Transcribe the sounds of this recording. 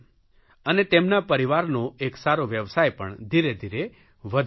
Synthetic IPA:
ənet̪emnapəɾiʋaɾnoeksaɾoʋjəʋsajpə̰ɳd̪ʱiɾed̪ʱiɾe | ʋəd̪

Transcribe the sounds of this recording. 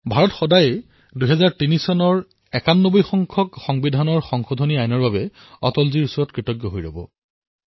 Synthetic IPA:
bʱaɹɔtxɔdajɛ | duɦɛzaɹtinisɔnɔɹ | ɛkanːobɔjxɔŋkʰɔkxɔŋbidʱanɔɹxɔŋxodʱoniajnɔɹbabɛ | ɔ̰tɔlziɹusɔɹɔtkɹitɔɡjɔɦojɹɔ̰bɔ̰

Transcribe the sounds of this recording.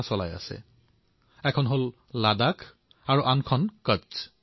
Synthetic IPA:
sɔla̰ja̰sɛ̰ | ɛkʰɔnɦol | ladakʰ | aɹuʔankʰɔnkət͡ʃ

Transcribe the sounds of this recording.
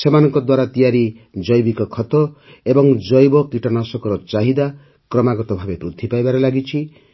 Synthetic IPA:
t͡ʃʰɔmanɔŋkɔd̪waɾat̪ijaɾi | d͡ʒʌjbikɔkʰɔt̪ɔ | ebɔŋd͡ʒɔjbɔkiʈɔnasɔkɔɾɔt͡ʃaɦid̪a | krɔmaɡɔt̪ɔbʱabepɾud̪ʱːipajbaɾɔlaɡit͡ʃʰi

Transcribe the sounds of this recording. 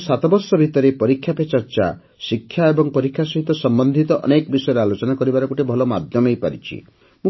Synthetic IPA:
sat̪ʰɔbɔɾsɔbʱit̪ɔɾepɔɾikʰjapet͡ʃɔɾt͡ʃa̰ | sikʰjaebɔŋpɔɾikʰjasɔɦit̪ɔsɔmbɔnd̪ʱit̪ɔʔɔ̰nekɔbisɔjɔɾɔalot͡ʃɔnakɔɾibaɾɔkuʈebʱɔlɔma̰d̪ʱjɔmejpa̰ɾḭt͡ʃʰḭ | mũ

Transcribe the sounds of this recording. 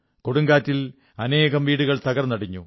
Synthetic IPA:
ko̞ɽuŋɡaːtːil | ɐneːɣɐmʋiːɽuɣɐɭt̪ɐɣɐrnɐɽiɲːu

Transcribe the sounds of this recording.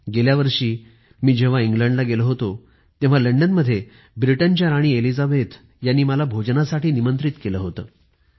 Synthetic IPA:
ɡeljaʋəɾʂiː | miːd͡ʑeʋ̤aiŋɡləɳɖlaɡeləɦot̪o | t̪ẽʋ̤aləɳɖənməd̪ʱːje | bɾiʈənt͡ɕjaɾaɽ̃iːelid͡zabet̪ | janːiːməlabʱod͡ʑnasaʈiːnimənt̪ɾit̪keləɦot̪əː

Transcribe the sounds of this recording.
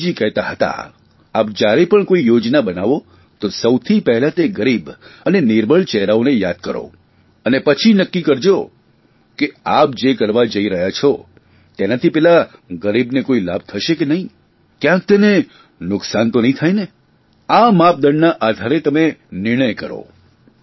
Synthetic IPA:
d͡ʒikɛɦt̪aɦət̪a̰ | ap̚d͡ʒjaɾepəɳkoijod͡ʒnabənaʋo | t̪osəwt̪ʰipɛɦɛlat̪eɡəɾibənenɪɾbʱəɭt͡ʃɛɦɾaonejad̪̚kəɾo̰ | ənepət͡ʃʰinəkːikəɾd͡ʒo | keap̚d͡ʒekəɾʋad͡ʒəiɾəɦjat͡ʃʰo | t̪enat̪ʰipɛlaɡəɾibnekoila̰b̚t̪ʰəʃekenəɦĩ | kjãk̚t̪ene | nʊksant̪onəɦĩt̪ʰajne | amap̚d̪əɳnaʔad̪ʱaɾet̪əmenɪɾɳ̃əjkəɾo̰

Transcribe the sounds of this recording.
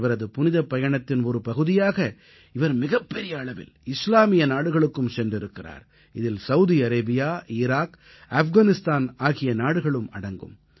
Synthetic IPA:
ʋɐɾɐðɯpʊnɪðɐpːɐjɐɳɐt̪ːɪnɔɾɯpɐɣɯðɪjaːɣɐ | ɪʋɐɾmɪɣɐpːɛɾɪjɐːɭɐʋɪ̰lɪslaːmɪjɐnaːɽɯɣɐɭɯkːɯmsɛndrɪɾɯkːɪra̰ːɾ | ɪðɪlsɐwʊðiɐɾɐːbɪjaːɪɾaːk | ɐfɣaːnɪst̪aːnaːɣɪjɐnaːɽɯɣɐɭɯmɐɽɐŋɡɯ̰m

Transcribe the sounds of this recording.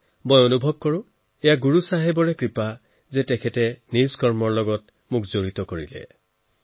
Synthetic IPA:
mɔjonubʱɔb̚kɔɹʊ̃ | ejaɡuɹusaɦebɔɹɛkɹipa | zɛtɛkʰɛtɛnizkɔɹmɔɹlɔɡɔt | mʊkzoɹitɔkoɹilɛ̰

